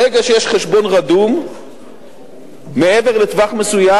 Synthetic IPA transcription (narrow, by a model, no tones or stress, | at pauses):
eɡaʃejeʃχeʃbo̞nʁad̪um | eeveʁlet̪vaχmesuja